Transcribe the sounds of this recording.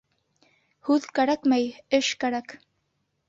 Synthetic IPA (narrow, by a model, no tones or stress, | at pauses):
hʉðkæɾækmæjɘʃkæɾæk